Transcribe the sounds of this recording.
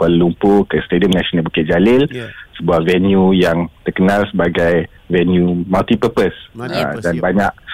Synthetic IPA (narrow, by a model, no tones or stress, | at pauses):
kallumpokəst̪ediɔmnaʃənabukɛʔ̚d͡ʒalɪlsəbuahvɛnjujaŋt̪ərkənalsəbaɡaj | vɛnjumalt̪ipəpəsadanbaɲaʔ̚